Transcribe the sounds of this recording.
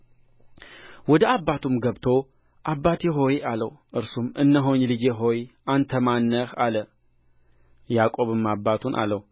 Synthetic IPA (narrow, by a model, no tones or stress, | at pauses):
wɔd̪əabːat̪ʰumɡəβt̪ʰo̞ | ʔabːat̪jɛɦo̞jaləwʔɨɾsumɨnːəɦo̞ɲlɨd͡ʒeɦo̞jʔant̪ʰəmanːəhalə | jakʼo̞βɨmːabːat̪ʰunʔa̰lːəw